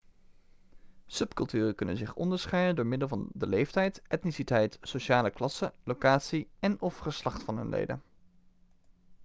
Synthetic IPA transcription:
sɵpkɵlˠtyːrəkɵnə̰nzɪχɔ̰ndəɹsχɛjdəndʊːɹmɪdəlˠvɑndəlejftɛjtɛtnisitɛjtsoʃaːləklɑsəlowkaːtsiɛnɔfχəslɑχtfɑnɦɵ̰nlḛjdə̰n

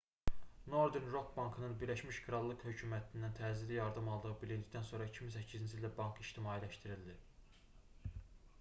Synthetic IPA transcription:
no̞ɾd̪eɾnɾok̪bɑŋkʰɯnɯnbiɾlæʃmiʃkʰɾɑlˠːɯkhø̞cʰumæt̪ʰind̪ænt̪ʰæzid̪ijɑɾd̪ɯmɑlˠd̪ɯʁɯbilind̪ic̚d̪ænso̞ɾɑicʰimisæcʰːizind͡ʒʰild̪æbɑŋkiʃt̪imɑːilæʃt̪iɾild̪i

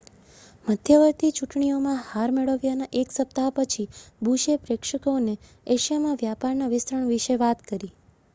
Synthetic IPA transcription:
məd̪ʱjəʋəɾt̪it͡ʃuʈɳijomãhaɾmeɭəʋjanaʔeksəp̚t̪apət͡ʃʰibʱuʃepɾekʃəkone | eʃjamãʋjapaɾnaʋɪsɾəɳʋiʃeʋat̪kəɾi

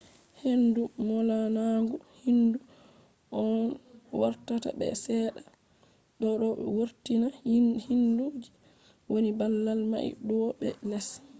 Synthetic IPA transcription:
hendumɔlanaŋɡuhindu | ʔɔnwaɾtata̰bɛ̰sɛːɗa | ɗɔɗɔwoɾtinahinduːd͡ʒi | wonibalːalma̰ḭɗɔɓɛ̰nɛs

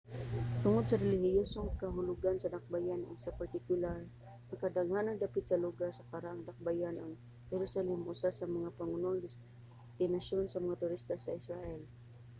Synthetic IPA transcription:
t̪ʊŋod̪̚sɐɾɛlɪhɪjosoŋkɐɦʊlʊɡansɐd̪ak̚bajanʔo̰ŋsɐpaɾt̪ɪkjʊlaɾ | ɐŋkɐd̪aŋanɐŋd̪apɪt̪̚sɐlʊɡasɐkaɾaʔaŋd̪ak̚bajanʔaŋ | hɛɾʊsalɛmʔʊsasɐmɐŋapaŋʊnoʔaŋd̪ɪs | t̪ɪnasjonsɐmɐŋat̪ʊɾist̪asaɪsɾaʔɛl

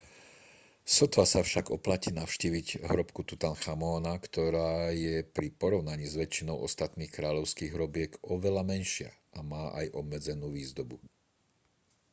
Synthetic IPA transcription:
sɔt̪ʋasafʃaɡɔplaciːnaʊʃciːʋiɟɦɾɔpkut̪ut̪anxamɔːnakt̪ɔɾaːjɛpɾipɔɾɔʊnaɲiːzʋɛt͡ʃːinɔʊʔɔst̪at̪niːxkɾaːʎɔʊskiːɣɦɾɔbɪɛkɔʋɛʎamɛnʃɪa̰ʔamaːʔa̰jʔɔbmɛd͡zɛnuːʋiːzd̪ɔbu

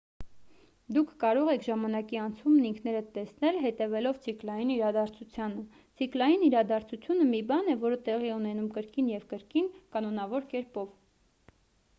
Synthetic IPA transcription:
d̪ukʰːɑɾɔʁɛkʰʒɑmɑnɑkiɑnt͡sʰumniŋkʰnɛɾət̪ɛsnɛlɦɛt̪ɛvɛlɔvt͡sʰiklɑjiniɾɑd̪ɑɾt͡sʰut͡sʰjɑnə | t͡sʰiklɑjiniɾɑd̪ɑɾt͡sʰut͡sʰjunəmibɑnɛvɔɾət̪ɛʁiɛunɛnumkəɾkinjɛvkəɾkinkɑnɔnɑvɔɾkɛɾpɔv

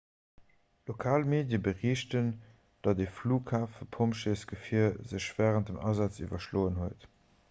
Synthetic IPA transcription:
lokʰaːlmeːdjəbəʁiːɕtən | d̥ɑdeːfluːkʰaːfəpʰomʃesɡ̥əfiːɐzəɕv̥æːʁənt̚dəmʔɑzɑt͡sḭvɐʃloːənhuət

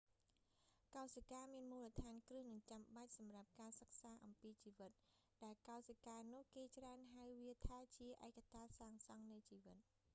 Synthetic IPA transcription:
kaɔsakaːmiənmuːlət̪ʰaːnkrɨəhnɨŋt͡ɕamɓac̚sɑmrap̚kaːsək̚saːʔɑmpiːt͡ɕiːʋɨt̪̚ | ɗaɛlkaɔsakaːnʊ̆əhkeːt͡ɕraənɦawʋiət̪ʰaːt͡ɕiəʔaɛkːat̪ʰaːsaːŋsɑŋnɨjt͡ɕiːʋɨt̪̚

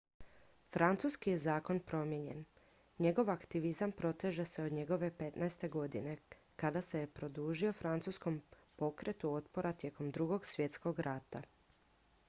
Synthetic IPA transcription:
fɾant̪suskijezaːko̞npɾo̞mje̞ɲe̞n | ɲe̞ɡo̞ʋakt̪iʋizampɾo̞t̪e̞ʒe̞se̞o̞d̪ɲe̞ɡo̞ʋe̞pe̞t̪naest̪e̞ɡo̞d̪ine̞ | kad̪ase̞jepɾo̞d̪uːʒio̞fɾant̪suːsko̞m | po̞kɾʔe̞t̪uo̞t̪po̞ɾat̪je̞ko̞md̪ɾuɡo̞ɡsʋje̞t̪sko̞ɡɾat̪a

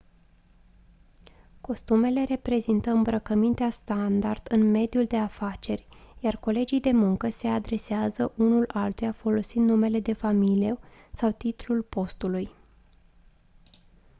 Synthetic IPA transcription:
ko̞st̪ume̞le̞ɾe̞pɾe̞zint̪əɨmbɾəkəmint̪east̪and̪ard̪̥ɨnme̞d̪juld̪e̞afat͡ʃe̞rʲjarko̞le̞d͡ʒijd̪e̞muŋkəse̞ad̪ɾe̞seazəʔunulalt̪ujafo̞lo̞sind̪nume̞le̞d̪e̞familie̞sawt̪it̪lulpo̞st̪uluj

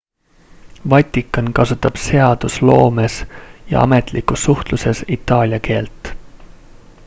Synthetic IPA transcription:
vɑt̪ʲːˑikːˑɑnkɑsut̪ːˑɑb̥se̞ɑd̪̥uslo̞ːmesjɑ̰ɑ̰me̞t̪ˑlikusːuht̪luse̞sit̪ˑːɑːlʲjɑke̞ːlt̪ˑ

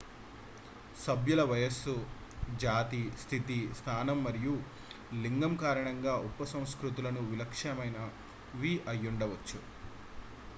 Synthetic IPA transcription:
sɐbʱjulɐʋɐjɐsud͡ʒaːt̪ist̪ʰit̪ist̪ʰaːnɐmːɐɾiju | liŋɡɐmkaːɾɐɳɐŋɡaːʔupːɐsɐ̃w̃skɾut̪̬ulɐnuʋilɐkʂɐmɐjnɐ | ʋiːʔɐjːuɳɖɐʋɐt͡ʃːu

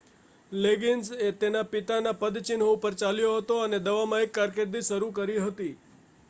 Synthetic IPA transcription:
leɡinset̪enapɪt̪anapəd̪t͡ʃinɦopəɾt͡ʃaljoɦət̪oəned̪əʋamãekːaɾkeɾd̪iʃəɾukəɾiɦət̪i

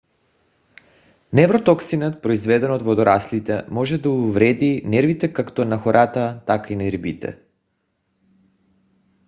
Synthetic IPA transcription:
nɛvɾot̪oksinət̪̚pɾoizvɛd̪ɛnod̪vod̪oɾaslit̪ɛmɔʒɛd̪auvɾɛd̪inɛɾvit̪ɛkakt̪onaxoɾʔat̪at̪akainɛɾbit̪ɛ̰

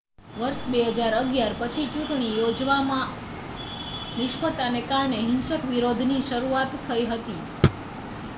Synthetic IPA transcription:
ʋəɾʃbeɦəd͡ʒaɾəɡjaɾpət͡ʃʰit͡ʃũʈɳ̃ijod͡ʒʋamã | nɪʃpʰəɽt̪anekaɾɳeɦɪnʃəkʋiɾod̪ʱniʃəɾuat̪ʰːəiɦət̪i

